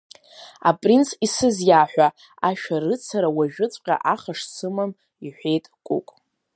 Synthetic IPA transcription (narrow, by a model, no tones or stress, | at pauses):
a̰pʼrinsʰisɨzjaħᶣʷa | aʃᶣaɾɨt͡sʰaɾawaʒᶣʊt͡sʷʼqʲʼa̰ʔaχaʂsʰɨmam | iħʷᶣe̞jtʼkʷʼṵkʼ